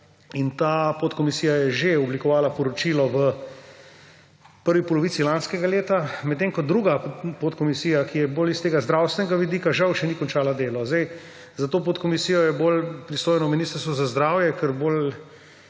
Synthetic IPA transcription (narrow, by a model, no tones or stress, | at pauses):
int̪aːpot̪kɔmisiːjajɛʒeɔblikɔʋaːlapɔɾɔt͡ʃiːlɔʋə | pəɾʋipɔlɔʋiːsilanskɛɡaleːt̪amɛt̪ːeːŋkɔd̪ɾuːɡapot̪kɔmisiːjakijɛboːlist̪eːɡazd̪ɾawst̪ʋɛnɛɡaʋid̪iːkaʒawʃɛnikɔnt͡ʃaːlad̪eːlɔzd̪ɛj | zat̪oːp̬ot̪kɔmisiːjɔjɛbolpɾist̪oːjnɔminist̪əɾst̪ʋɔzazd̪ɾaːwjɛkəɾbol